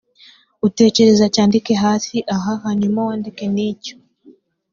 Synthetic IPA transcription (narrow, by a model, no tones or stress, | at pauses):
ute̞ːce̞ɾe̞zacaːndike̞ɦaːsiʔaɦaɦaɲumawaːndike̞niːco̥